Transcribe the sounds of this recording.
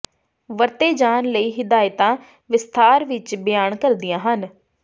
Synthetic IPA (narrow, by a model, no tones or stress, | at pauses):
ʋəɾt̪eːd͡ʒaːnləiːɦɪd̪aːjt̪ãː | ʋɪst̪ʰaːɾʋɪt͡ʃbɪjaːɳkəɾd̪ɪjãːɦən